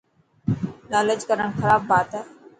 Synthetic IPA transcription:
laːləd͡ʒkəɾəɳ̃xəɾaːbːaːt̪ə

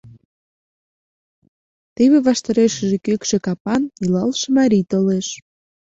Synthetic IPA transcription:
t̪eβeβɑʃt̪ɑɾeʃə̆ʒekøkʃekɑpɑnilɑlʃemɑɾit̪oleʃ

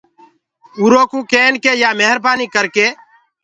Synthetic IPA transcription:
uːɾoːkũːkeːnkeːjaːmeɦəɾbaːniːkəɾkeː

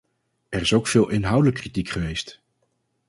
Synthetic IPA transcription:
ɛrɪsowkfɪːlˠʔɪnɦʌwdələkːritikχəʋejst

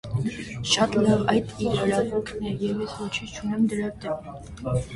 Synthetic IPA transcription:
ʃɑt̪lɑʁɑjd̪iɾəɾɑvɔkʰnɛjɛvjɛsvɔt͡ʃʰit͡ʃʰunɛmd̪əɾɑt̪ɛm

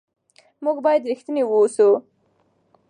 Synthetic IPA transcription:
muɡbɑjad̪ɾixt̪ənewuːsu

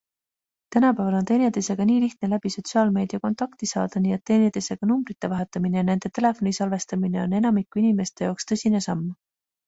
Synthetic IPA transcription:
t̪ænɑpæːvɑlo̞nt̪e̞ːnʲet̪ese̞ɡ̥ɑniːliht̪̚ne̞læb̥iso̞t̪siɑːlme̞ːd̪̥iɑko̞nt̪ˑɑkt̪isɑ̰ːd̪̥ɑniːet̪ːe̞ːnʲet̪ese̞ɡ̥ɑnumbrit̪ːˑe̞vɑɦe̞t̪ːˑɑmine̞jɑne̞nd̪̥e̞t̪e̞le̞fo̞nisɑlve̞st̪ɑmine̞o̞ne̞nɑmikːˑuinime̞st̪e̞jɑːkst̪ɤ̞sʲine̞sɑmː

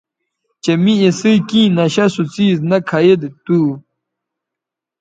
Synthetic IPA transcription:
t͡ɕemiesikĩːnɐɕɐsut͡siːznɐkʰajed̪t̪uː

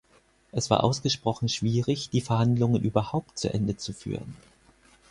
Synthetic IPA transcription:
ʔɛsv̥a̰ːɐʔa̰ʊsɡ̥əʃpʁ̥ɔχn̩ʃv̥iːʁɪçd̥iːfɛɐhandlʊŋənʔyːbɐhaʊp̚tt͡suʔɛndət͡sufy̰ːʁ̞ən

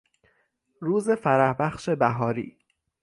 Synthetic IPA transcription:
ɾuːzefæɾæhbæxʃe̞bæɦɒːɾḭː

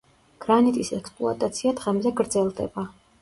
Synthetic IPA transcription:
ɡ̥ɾanit̪ʼisɛkspʼlˠua̰t̪ʼat̪sʰiad̪ʁɛmzɛɡɾd̪zɛlˠd̪ɛ̰ba

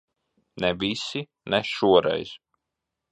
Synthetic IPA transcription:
nɛvisi | nɛʃuɔɾɛ̰jz̥

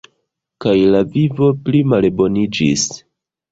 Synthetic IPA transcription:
kajlavivo̞plimalbo̞nid͡ʒḭs

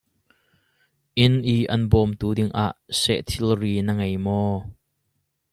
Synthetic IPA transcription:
ʔɪnʔiːʔɐnbɔːmt̪uːdɪŋʔa̰ːʔsɛ̰ʔt̪ʰɪlriːnəŋɐjmɔː

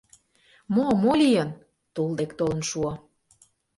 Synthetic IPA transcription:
momolʲijən | t̪ulˠd̪ekt̪olə̆nʃuə

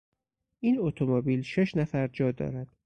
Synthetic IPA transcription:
ʔiːnot̪ʰomobiːlʃe̞ʃnæfæɾd͡ʒɒːd̪ɒ̰ːɾæd̪̥

